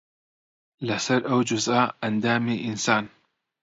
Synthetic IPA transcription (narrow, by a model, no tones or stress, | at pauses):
lɐsɐɾʔɐwd͡ʒʊzʔaːʔɐnd̪aːmiːʔɪnsaːn